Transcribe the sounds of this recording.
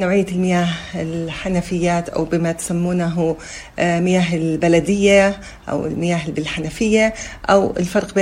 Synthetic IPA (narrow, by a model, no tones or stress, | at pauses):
nawʕɪjːalmɪjaːɦɪlħanafɪjːaːt̪ʔa̰wbɪmat̪samːuːnaɦʊ | mɪjaːɦɪlbalad̪ɪjːa | ʔa̰wɪ̰lmɪjaːɦɪbɪlħanafɪjːaʔawɪ̰lfɑɾˤqbeː